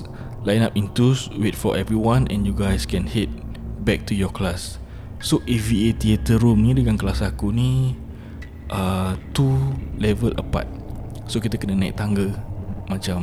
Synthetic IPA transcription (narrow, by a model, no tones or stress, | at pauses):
lajnapĩnt̪uswet̚fɔʔɛvɹiwãnʔɛ̰̃njuɡajskɛ̃nhet̚bɛk̚tujɔklasː | oʔɛviet̪iet̪əɾumnĩdəɡãnklasakunĩ | ʔət̪ulɛvəlʔə̰pa̰t̪̚sokit̪əkənənaḭk̚t̪ãŋɡəmat͡ʃam